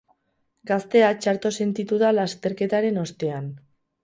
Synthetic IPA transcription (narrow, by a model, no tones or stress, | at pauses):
ɡast̪e̞at͡ʃaɾt̪o̞se̞nt̪it̪uðalast̪e̞ɾke̞t̪aɾe̞no̞st̪e̞an